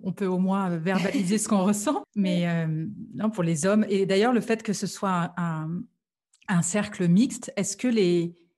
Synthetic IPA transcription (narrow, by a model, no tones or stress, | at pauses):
ɔ̃pøomwɛ̃øvɛʁbalizesə̥kɔ̃ʁəsɑ̃mɛømnɔ̃puʁlezɔmed̪ajœʁləfɛt̪kəsəswaɛ̃ | ɛ̃sɛʁkləmikst̪ɛskəle